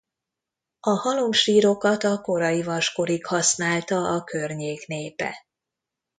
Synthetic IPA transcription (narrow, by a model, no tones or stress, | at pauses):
ɒhɒlomʃiːɾo̞kɒt̪ɒko̞ɾɒjivɒʃko̞ɾikhɒsnaːlt̪ɒʔɒkø̞rɲeːkneːpɛ̰